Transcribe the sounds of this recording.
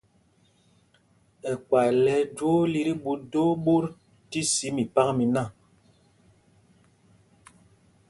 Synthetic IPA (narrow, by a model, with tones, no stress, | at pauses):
ɛ˨kwa˨lɛ˨˦d͡ʒo˦li˦ɾi˦ɓu˨do˦ɓo˦ɾ | ti˦si˦mi˨pa˦kmi˨na˦˨